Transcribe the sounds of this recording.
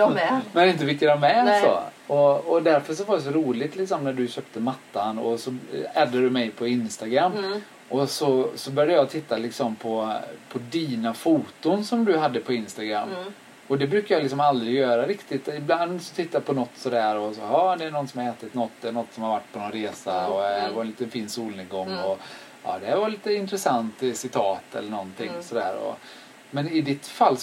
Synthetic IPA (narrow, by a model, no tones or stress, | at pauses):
mɛnɪnt̪̬əvɪkːad̪ɔmɛsɔ̰ɔɔd̪æɾfœʂɔvadɛs̬ɔɾuːlɪt̪lɪksɔmnæɖɵɕøːp̚t̪əmat̪ːanɔ̰sɔɛːd̪aɖɵmɛjpʰɔɪnst̪aɡɾamː | ʔɔsɔsɔbœɾjad̪əjɑt̪ʰɪt̪ːalɪksɔmpʰɔpʰɔd̪iːnafuːt̪ʊnsɔmd̪ɵɦad̪ːəpʰɔɪnst̪aɡɾa̰mː | ɔd̪ɛbɾʉ̟ːkajɑlɪksɔmald̪ɾɪɡjœːɾaɾɪkt̪ɪt̪ɪbland̪sɔt̪ʰɪt̪ːapʰɔnɔt̪ːsɔd̪æːɾɔsɔhɑːd̪ɛæɳɔnsɔmhaɾɛːt̪ɪt̪nɔt̪ːd̪ɛːnɔt̪ːsɔmhaɾvaʈːpʰɔnɔnɾeːsaɔæɾvaɾɛnliːt̪ənfiːnsuːlnɪɡɔŋːɔ | ɑ̰ːd̪ɛhæɾvaɾliːt̪əɪnt̪ɾɛsant̪sɪt̪ʰɑːt̪ɛ̰lːəɳɔnt̪ʰɪŋːsɔd̪æ̰ːɾɔ̰ | mɛnɪd̪ɪt̪falː